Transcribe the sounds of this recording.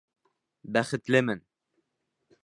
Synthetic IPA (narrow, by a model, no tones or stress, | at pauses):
bæχɘ̆t̪lɘmɘn